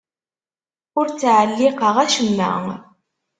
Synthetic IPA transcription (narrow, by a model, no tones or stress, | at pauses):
ʊɾt͡sːʕəlːiqəʁæʃəmːæ̰ŋ